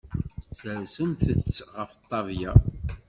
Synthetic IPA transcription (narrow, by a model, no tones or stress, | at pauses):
səɾsəmθət͡sːʁəft̪ˤːɑvja